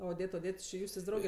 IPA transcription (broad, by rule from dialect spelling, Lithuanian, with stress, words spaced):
oːˈdʲeːt oːˈdʲeːt t͡ʃʲɪ ˈjuːsʲtʲeːsʲ ˈdrɐʊɡʲɛ